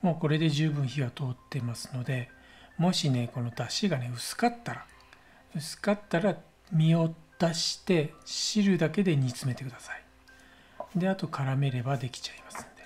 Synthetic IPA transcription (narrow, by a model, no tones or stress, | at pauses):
mo̞ːko̞ɾe̞d̪e̞ʑɨːbɯ̟̃ɰ̃çiβat̪o̞ːt̪ːe̞masɨ̥no̞d̪e̞ | mo̞ɕine̞ko̞no̞t̪aɕiɡane̞ɯ̟sɨ̥kat̪ːaɾa | ɯ̟sɨ̥kat̪ːaɾa | mʲio̞d̪aɕi̥t̪e̞ɕiɾɯ̟d̪ake̞d̪e̞ɲ̟it͡sɨme̞t̪e̞kɯ̟d̪asḁi̥ | d̪e̞at̪o̞kʰaɾame̞ɾe̞bad̪e̞kʲi̥t͡ɕaimasɨ̥̃nd̪̥e